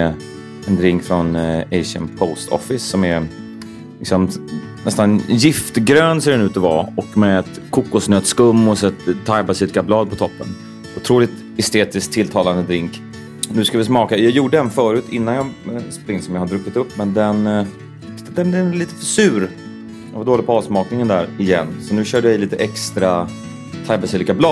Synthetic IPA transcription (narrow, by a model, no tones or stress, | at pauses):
ɛnd̪ɾɪŋkfɾɔnɛɪʂə̰npʰɔst̪ʰɔ̰fɪsːɔmɛɾ | lɪksɔm | nɛst̪anjɪft̪ɡɾøːnseːɖɛnʉ̟ːt̪ɔva̰ːɔkmɛɛt̪kʰukːʊsnøːt̪skɵmːɔsɛt̪t̪ʰːajpasɪt̪̚ɡablɑːd̪̚pʰɔt̪ʰɔpːə̰n | ʊt̪ʰɾuːlɪt̪ | ɛst̪eːt̪ɪsk̚t̪ʰːɪlt̪ʰɑːland̪əd̪ɾɪŋk | nʉ̟skavɪsmɑːkajɑːjuːɖəd̪ɛnfœːɾʉ̟ːt̪ʰɪnːanjɑspɾɪŋd̪sɔmjɑːhad̪ɾɵkːɪt̪ɵpːmɛnd̪ɛn | d̪ɛɛliːt̪ə̥fœʂʉ̟ːɾ | vd̪oːlɪpʰɑːvsmɑːknɪŋənd̪æɾɪjɛ̰nːsɔnʉ̟ːɕœːɖəjɪliːt̪əʔɛkst̪ɾa | t̪ʰajpasyːlɪkablɑːd̪